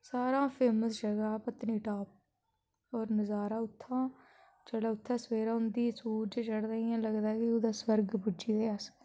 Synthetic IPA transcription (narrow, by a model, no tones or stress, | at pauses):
saːɾãːpʰeːməsd͡ʒəɡaːpət̪niːʈaːp̚ | ɔːɾnəzaːɾaːʊt̪ʰːãː | t͡ʃəɽaːʊt̪ʰːãːsʋeːɾaːʊnd̪iːsuːɾd͡ʒt͡ʃəɽd̪aːijãːləɡd̪aːkɪod̪aːswəɾɡpʊd͡ʒiːd̪eːas